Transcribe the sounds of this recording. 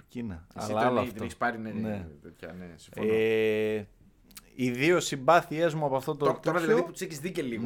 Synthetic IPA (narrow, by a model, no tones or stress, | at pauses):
cinɐɐ̰lɐloɐfeçispɐɾinenet̪et̪çɐ̰nesi̥ɱfono | iðio̞sibɐθie̞zmuɐpoɐft̪ot̪ot̪oɾɐðilɐðiput̪u̥seçizðiceliɣ